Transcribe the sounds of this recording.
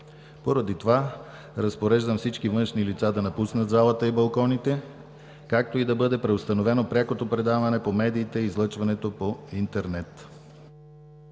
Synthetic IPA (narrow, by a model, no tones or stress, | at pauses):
poɾɐd̪it̪ova | ɾɐspoɾɛʒd̪ɐmfsit͡ʃkivɤnʃnilit̪sad̪ɐnɐpusnət̪zalˠət̪əibɐlˠkɔnit̪ɛ | kak̚t̪oid̪ɐbɤd̪ɛpɾɛost̪ɐnovɛnopɾʲakot̪opɾɛd̪avɐnɛpomɛd̪iːt̪ɛiːzlˠɤt͡ʃvɐnɛt̪opoint̪ɛɾnɛt̪